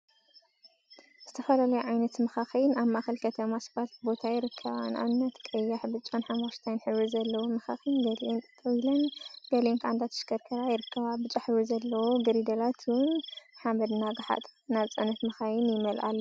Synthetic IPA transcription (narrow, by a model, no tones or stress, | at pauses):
z̥ɨt̪ʰɐfɐlalɐjuʕajnɐt̪mɐxaxinaβmaʔaxɨlkʰɐt̪ʰɐmasbalt̪bo̞t̪ʰajɪɾɨkʰːɐβana̰βɨnːɐt̪kʼɐjːaħbɨt͡ʃʼːanħamaʃt̪ʰajnħɨβizɐlːɐwomɐxa̰xinɡɐlʔent̪ʼɨt̪ʼːɐwilɐnɡ̥ɐlenkʰʕand̪at̪ʰɨ̥ʃkɐɾkʰɐɾajɪɾɨkːɐβabɨt͡ʃʼaħɨβizɐlːɐwoɡɨɾid̪ɐlat̪ʰɨwʊnħamɐd̪naɡaħa̰t̪ʼnaβt͡sʼɐnɐt̪mɐxajɪnjɪmɐlʔa̰lːɐ